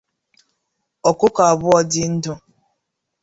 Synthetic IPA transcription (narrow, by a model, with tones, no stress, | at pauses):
ɔ˨kʊ˦ka˨a˨bʊ˦ɔ˨dɪ˦n̩˦dʊ˦